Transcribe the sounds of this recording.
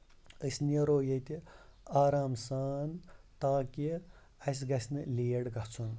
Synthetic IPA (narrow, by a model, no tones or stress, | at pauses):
əsnieɾoːjɐt̪iaːɾaːmsaːnt̪aːki | ɐs̬ɡɐsʲnɨleːɽɡɐɦt͡sʰun